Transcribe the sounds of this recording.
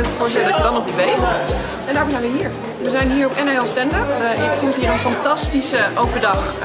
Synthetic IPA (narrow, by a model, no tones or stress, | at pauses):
əətfʊːɹstɛlədɑtədɑnɔp̚dəʋejχə | ɛndaːɹʊmzɛjnʋəɦiːɹ | ʋəzɛjnɦiːɹɔpɛnaɛlˠstɛndəpɪkuntɦiːɹənfɑntɑstisəʔowpəɹdɑχ